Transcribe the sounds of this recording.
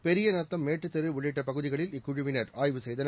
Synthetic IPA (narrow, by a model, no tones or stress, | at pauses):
pɛɾɪjɐnɐt̪ːɐmːeːʈːɯt̪ːɐɾɯʊɭːɪʈːɐpɐɣɯðɪɣɐɭɪlɪkːʊɻɯʋɪnɐɾaːjʋɯsɛjðɐn